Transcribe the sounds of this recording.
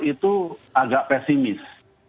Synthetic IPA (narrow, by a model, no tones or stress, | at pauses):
it̪uaɡaʔpɛsimɪs